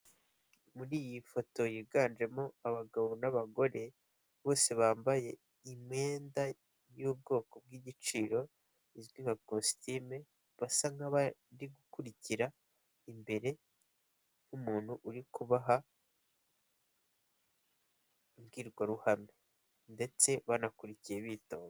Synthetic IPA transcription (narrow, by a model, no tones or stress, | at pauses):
muɾiːjifo̞to̞jiɡaːnd͡ʒe̞mo̞aβaɡaβonaβaɡo̞ɾe̞ | βo̞ːse̞βaːmbaje̞ | imŋe̞ːnda | juːb̚ɡo̞ːko̞b̚ɡiɟit͡ʃiːɾo̞ | izɡimakosi̥time | βasaŋɡaβadiɡukuɾiciɾa | imbe̞ɾe̞ | humuːn̥huʔuɾikuβaɦa | mɡiːɾɡwaɾuhame | nde̞t͡se̞βanakuɾicijeβiːtoːŋo